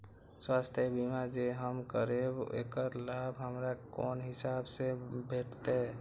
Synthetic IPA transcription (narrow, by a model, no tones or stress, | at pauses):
swast̪ʰjəbimad͡ʒeɦəmkəɾebḛkəɾlabʱɦəmɾakɔːnɦɪsaːbsebʱeʈʰt̪e